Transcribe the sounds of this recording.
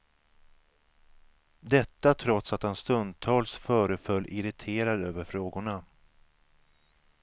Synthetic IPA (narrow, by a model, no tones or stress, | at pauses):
d̪ɛt̪ːat̪ʰɾɔt̪sat̪hanst̪ɵnd̪̚t̪ʰɑːlsfœːɾəfœlːʔɪɾɪt̪ʰeːɾad̪øːvəɾfɾoːɡʊɳa